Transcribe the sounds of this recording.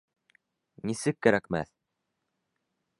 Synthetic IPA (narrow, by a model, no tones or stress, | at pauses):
nisɘkːæɾækmæ̰θ